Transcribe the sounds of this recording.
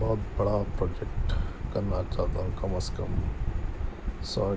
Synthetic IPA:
bɔːt̪bɐɽaːpɾoːd͡ʒek̚ʈkɐɾnaːt͡ʃaːt̪aːkɐmɐskɐm | saː

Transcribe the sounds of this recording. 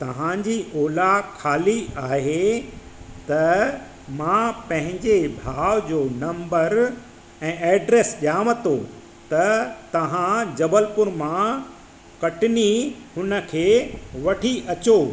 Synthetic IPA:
t̪ɐʋ̤ãd͡ʑiːʔoːlakʰaːliaːɦe | t̪ɐ | mãpɐ̃ɦɪ̃ɲd͡ʑebʱaːʋd͡ʑoːnɐ̃mbəɾ | ɛ̃ːɛːɖɾeːsʄijaːʋə̃t̪o | t̪ɐt̪ɐʋ̤ãd͡ʑɐbəlpʊɾmã | kɐʈɪnihʊnə̆kʰeːʋɐʈʰiʔɐt͡ɕoː

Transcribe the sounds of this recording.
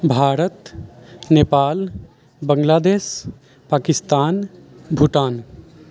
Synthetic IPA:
bʱaːɾət̪neːpaːl | bəŋɡlaːd̪eːs | paːkist̪aːn | bʱuʈaːn

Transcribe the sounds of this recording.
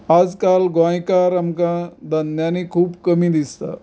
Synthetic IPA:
ad͡zkalɡãjkaɾamkãd̪ənjanikʰuːbkəmĩd̪ist̪a̰

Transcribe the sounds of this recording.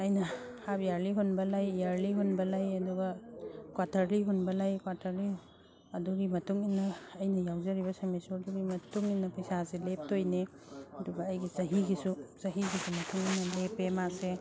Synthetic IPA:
ɐjnɐ | habijaɾliɦunbɐlajjaɾliɦunbɐlajɐduɡɐkwatʰɐɾliɦunbɐlajkwatʰɐɾli | ɐduɡimɐtuŋinːɐːjnɐjawzɐɾibɐsɐmesɔɾduɡimɐtuŋinːɐpɐjsaselep̚tojne | ɐduɡɐːjɡizɐɦiɡisuzɐɦiɡisumɐtʰuŋinɐlepemakse

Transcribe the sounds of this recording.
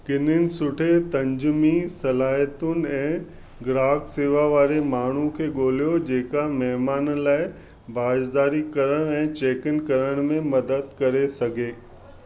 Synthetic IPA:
kɪnɪnɪ̆sʊʈʰet̪ɐ̃ɲd͡ʑʊmisɐlaːɦət̪ʊn̆ɛ̃ː | ɡɾaːɡseːʋaʋaːɾemaːɳ̤ukʰeːɠoːlijod͡ʑeːkamɛɦmaːnlaːɪ | baːd͡ʒd̪aːɾikɐɾəɽ̃ɛ̃ːt͡ɕeːkɪnkɐɾəɽ̃mẽmɐd̪əd̪̚kɐɾesɐɡʱeː

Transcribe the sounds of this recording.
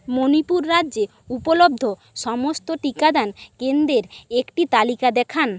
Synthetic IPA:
monipuɾːaːʑe | upolob̚d̪ʱo | ʃɔmost̪oʈikad̪ankend̪ɾeɾekʈit̪alikad̪ɛkʰan

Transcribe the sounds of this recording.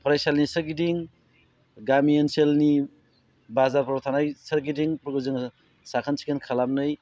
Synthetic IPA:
pʰɾajsalnisəɾɡidiŋ | ɡamienselni | bazaɾpʰɔɾtʰanajsəɾɡidiŋpɾuɡɯzɯŋ | sakʰənsʰi̥kʰenkʰalam̚nɯj

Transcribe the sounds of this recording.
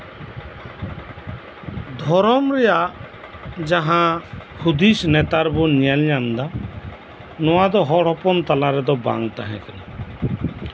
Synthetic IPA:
d̪ʱɔɾɔmɾɛja | d͡ʒaɦãhud̪isnɛt̪aɾbɔnijalɲamd̪a | nɔwad̪ɔɦɔɽɔpɔnt̪alaɾɛd̪ɔbã̰ŋt̪aɦɛ̃kɛna

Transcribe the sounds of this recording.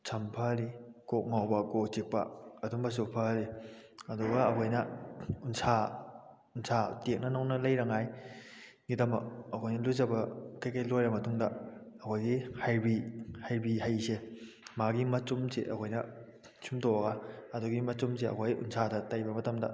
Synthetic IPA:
sʰɐmpʰaɾikoŋawbɐkot͡ʃik̚pɐ̰ɐduŋbɐs̬upʰaɾiɐduɡɐːkʰojnɐunsa | unsʰatek̚nɐnawnɐlɐjɾɐŋaj | ŋitɐmɐ̰ɐkʰojnɐluzɐbɐkajkajlojɾɐmɐtuŋdɐɐkʰojɡihajbihajbihajse | maɡimɐt͡ʃumseʔɐ̰kʰojnɐ | sʰumtowɐɡaɐduɡimɐt͡ʃums̬eɐ̰kʰojṵnsʰadɐtajbɐmɐtɐmdɐ̰

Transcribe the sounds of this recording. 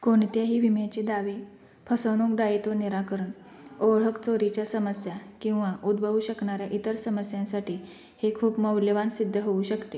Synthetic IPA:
koɳt̪jaɦiːʋimjat͡ɕid̪aʋi | pʰəsəɳ̃ũkd̪ait̪oneɾakəɾəɳ | oʋɭ̤əkt͡soɾit͡ɕjasəməsjakĩw̃ʋaʔud̪bʱəʋuɕəkɳaɾjaʔit̪əɾsəməsjãnsaʈʰiː | hekʰuːpməwljəʋansid̪ʱːəɦouɕəkt̪e

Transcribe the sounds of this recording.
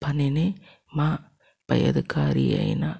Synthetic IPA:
pɐnene | maː | pɐ̰jɐ̰ðɯkaːɾiɐ̰na

